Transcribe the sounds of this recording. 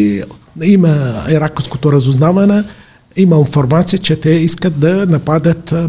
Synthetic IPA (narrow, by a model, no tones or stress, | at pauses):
imɐiɾakosko̥t̪oɾɐzʊznavɐnɛ | imɐinfoɾmat̪sijət͡ʃɛt̪ɛiskət̪̚d̪ɐnɐpad̪ət̪